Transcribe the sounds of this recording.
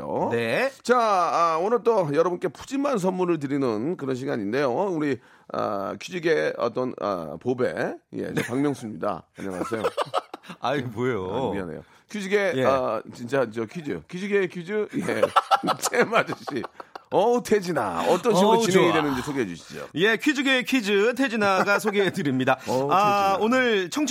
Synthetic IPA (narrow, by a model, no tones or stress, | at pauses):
o̰net͡ɕaʌonɯɭt͈ojʌɾʌbunk͈e̞pʰud͡ʑimans̬ʰʌnmunɯɭt̬ɯɾinɯnkɯɾʌnɕ̬ʰiɡaɲinde̞jouɾi | ʌ̰kʰud͡ʑiɡe̞ʌ̰t͈ʌnʌ̰pobe̞̰je̞̰epaŋmjʌŋsʰumɲida̰a̰ɲʌŋasʰejo | aipojoiʌ̰nḛjo̰ | kʰid͡ʑiɡe̞jʌt͡ɕint͡ɕ͈ad͡ʑʌkʰid͡ʑɯ̰kʰid͡ʑuɡekʰid͡ʑɯjet͡ɕʰemad͡ʑuɕ͈iʌtʰed͡ʑina̰ʌt͈ʌnɕiɡuɾt͡ɕineŋidwenɯnd͡ʑisʰoɡeɦed͡ʑuɕʰi̥d͡ʑo̰je̞kʰid͡ʑuɡekʰid͡ʑɯtʰed͡ʑinaɡasʰoɡeedɯɾimɲidaʌaonɯɭt͡ɕʰʌŋt͡ɕʰ